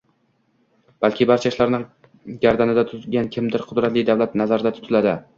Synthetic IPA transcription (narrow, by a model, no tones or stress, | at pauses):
b̥alkʲʰɪbaɾt͡ʃʰaʃlaɾnɪ | ɡʲaɾd̪anɪd̪at̪ʰʊɡʲankʲʰɪmd̪ɪɾqʰʊd̪ɾat̪lɪjd̪awlat̪nazaɾɪd̪at̪ʰʊ̥t̪ʰɪlad̪ɪ